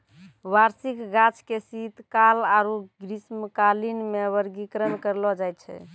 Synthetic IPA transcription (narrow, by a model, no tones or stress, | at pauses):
ʋaɾsikɡat͡ʃkesit̪kalaɾuɡɾisməkalinmeʋəɾɡikɾənkəɾlɔd͡ʒajt̪t͡ʃʰɛ̰